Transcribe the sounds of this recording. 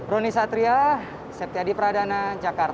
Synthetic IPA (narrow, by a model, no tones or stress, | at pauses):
bɾonisat̪ɾia | sɛp̚t̪iadipəɾadanad͡ʒakart̪a